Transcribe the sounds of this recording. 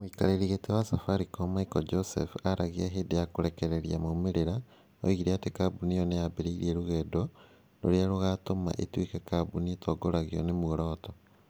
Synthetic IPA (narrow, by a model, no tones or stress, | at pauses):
muikaɾeɾiɣetewasafaɾikomaikɔd͡ʒosefuaɾʔaɣiaɦeːdejakoɾekeɾeɾiamomeɾeɾa | o̰iɣiɾeatekabunionejabeɾiiɾieɾuɣɛːdo | no̰ɾjaɾoɣatoma̰ʔḛtwikekabunietʰoɡoɾaɣiɔ̰nemuoɾɔːtɔ